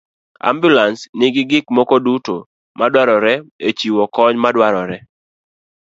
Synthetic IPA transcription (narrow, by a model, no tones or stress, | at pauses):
a̰mbjulansnɪɡɪɡɪkmɔkoduto | madwaɾɔɾɛet͡ʃiwɔkɔɲmadwaɾɔɾɛ